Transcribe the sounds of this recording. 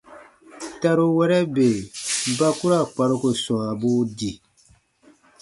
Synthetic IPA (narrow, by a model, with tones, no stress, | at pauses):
ta˦ɾo˦wɛ˦ɾɛ˦be˨ba˦ku˦ɾa˦˨k͡pa˨ɾo˦ko˨sɔ̃˨a˨bu˦di˨